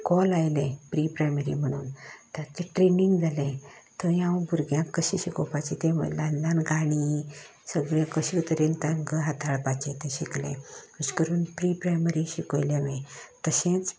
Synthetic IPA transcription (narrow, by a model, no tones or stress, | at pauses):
kɔlajlẽpɾipɾajməɾḭm̤əɽ̃ṵːnt̪at͡seʈɾeniŋɡd͡zalẽt̪əjãwbʱuɾɡjãkːəɕiɕikopat͡ɕit̪ẽʋə̰landãnɡaɽ̃isəɡɭjekəɕiut̪əɾent̪ãŋɡəɦat̪ʰaɭpat͡ɕet̪ẽɕiklḛ̃əɕkəɾuːnpɾipɾajməɾiɕikojleʋẽt̪əɕẽt͡s